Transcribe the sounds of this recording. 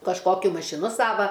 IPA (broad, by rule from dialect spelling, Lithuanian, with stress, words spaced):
kɐʃˈkoːkʲʊ mɐʃʲɪˈnʊ ˈsɑːʋɐ